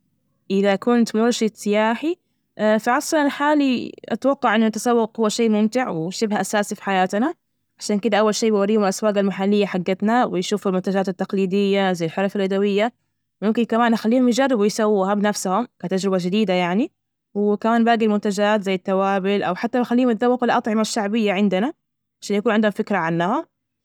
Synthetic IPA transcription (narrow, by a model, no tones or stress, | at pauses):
ʔɪðakʊnt̪oɾʃɪt̪sɪjaːħi | faʕɑsˤlɑnɪlħaːliʔa̰t̪wɑqːɑʕʔɪnːʊʔat̪asˤɑwːɑqhʊwːaʃeːmʊmt̪ɪʕwɪʃɪbhaʔasaːsifi̥ħajaːt̪na | ʕaʃaːnkɪd̪aʔawːalʃiːbɪwaɾiːmɪlʔaswaːɡalmaħalːɪjːaħaɡːɪt̪nawɪjʃuːfalmʊnt̪ad͡ʒaːt̪at̪ːaqliːd̪ɪjːazajalħʊɾˤɑfalʔad̪awɪjːa | wmʊmkɪnkamaːnʔaxalːiːhʊmjd͡ʒarːɪbwɪjsawːihabɪnafshʊmkat̪ad͡ʒɾɪbad͡ʒɪd̪iːd̪ajaʕni | wɪkamaːnbaːɡilmʊnt̪ad͡ʒaːt̪zajːat̪ːawaːbɪlʔa̰wħat̪ːamaxalːiːhmɪt̪̚d̪awːɑqlɪʔɑt̪ˤʕɪmaʃːaʕbɪjːaʕɪnd̪ana | ʕaʃaːnjakuːnʕɪnd̪hmfɪkɾaʕanːaha